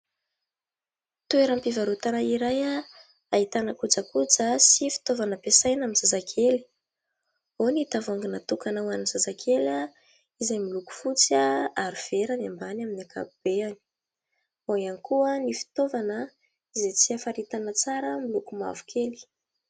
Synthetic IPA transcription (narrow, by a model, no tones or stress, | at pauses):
t̪ueɾampivaɾut̪anaiɾaja | ait̪anəkud͡zakud͡zəsifi̥t̪ovanəpesajnaminz̥azakʰeli̥ | oniit̪avaŋɡinat̪ukanawaninzazakʰela | izajmiluku̥fut͡siaaɾuv̥eɾanambanaminakʰa̰bub̥eani̥ | oianikuənifi̥t̪ovanə | izet͡siafaɾit̪anət͡saɾəmilukuma̰vu̥kʰeli̥